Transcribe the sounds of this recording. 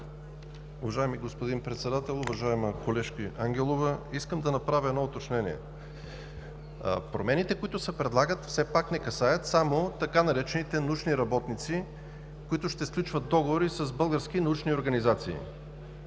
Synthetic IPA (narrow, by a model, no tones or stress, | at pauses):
ʊvɐʒaɛmiɡospod̪inpɾɛt̪sɛd̪at̪ɛlˠovɐʒaɛməkolɛʃkiaŋɡʲɛlˠovəiskəmd̪ɐnɐpɾavʲəɛd̪nɔot̪ɐt͡ʃnɛniɛ̰ | pɾomɛnit̪ɛkoit̪ʊsɛpɾɛd̪lˠaɡət̪fsɛpaknɛkɐsajət̪samot̪ɐkanɐɾɛt͡ʃɛnit̪ɛnut͡ʃniɾɐbɔt̪nit̪si | koit̪ʊʃt̪ɛsklʲut͡ʃvɐt̪̚d̪ɔɡovoɾisɐzbɤlˠɡəɾsk̟inɐut͡ʃnioɾɡɐnizat̪sḭː